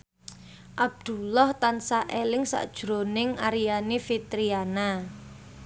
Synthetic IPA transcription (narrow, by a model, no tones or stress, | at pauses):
ʔab̚d̪̥ṳlɔht̪ansaʔelɪŋsa̰ʔd̥ʒ̥ɾo̤nɪŋaɾianifit̪ɾiana